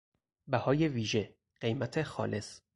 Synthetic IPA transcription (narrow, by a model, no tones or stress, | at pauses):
bæhɒːjeviːʒe̞ | ɢ̥ejmæt̪ʰe̞xɒ̰ːle̞s